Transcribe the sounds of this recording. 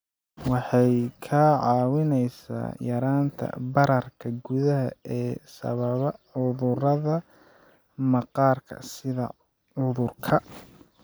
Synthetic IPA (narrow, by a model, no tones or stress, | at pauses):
wɑħɑjkʰɐʕɑːwɪnɛjsa̰ːjɐɾaːnt̪ʰɐ̰bɐɾɐrkʰɐɡʊðɐɦɐɛːsɐ̰βɐβɐʕʊðʊrɐðɐ | mɑqɑːrkʰɐ̰sɪðɐ̰ | ʕʊðʊrkʰɐ